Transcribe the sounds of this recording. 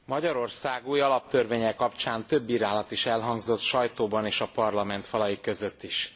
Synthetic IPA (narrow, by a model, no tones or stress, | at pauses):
mɒɟɒɾo̞rsaːɡuːjɒlɒp̚t̪ørveːɲɛkkːɒpt͡ʃaːnt̪ø̞bːiːɾaːlɒt̪iʃɛlɦɒŋɡzo̞t̪ʃɒjt̪oːbɒneːʃɒpɒrlɒmɛnt̪fɒlɒjikø̞zø̞t̪ːiʃ